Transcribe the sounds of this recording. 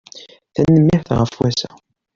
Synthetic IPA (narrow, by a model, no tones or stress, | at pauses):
θænːəmːɪħθʁəfwæsæ